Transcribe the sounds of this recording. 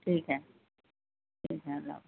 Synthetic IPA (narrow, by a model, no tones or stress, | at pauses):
ʈʰiːkɦɛ | ʈʰiːkɦɛɐla̰b